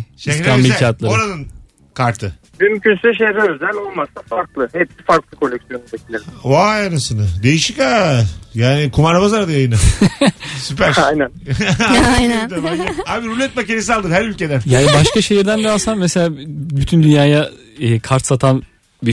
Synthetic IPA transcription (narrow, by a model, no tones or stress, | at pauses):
ʃeambicʰat̪lˠaoɾanɯn | kʰaɾt̪ʰɯ | bymcʰynsɛʃ̬eɾɛøzælʲo̞lˠmasafaɾklˠɯhɛpsifaɾklˠɯkʰo̞lʲːɛksijo̞nubecilʲeɾʲiajanɯsɯnɯd̪e̞jiʃikajaːnikʰumaɾabazaɾd̪ajajɯnɯ | sypæɾajnæn | ajnænd̪abeaabiɾulʲɛt̪̚maciɾes̬ialˠd̪ɯɾhæɾylʲcʰe̞d̪ænjaːnibaʃkaʃejiɾd̪ænd̪aasammese̞lʲaːbyt̪ʰynd̪ynjaːja | ɛːkʰaɾt̪sat̪ʰan | bi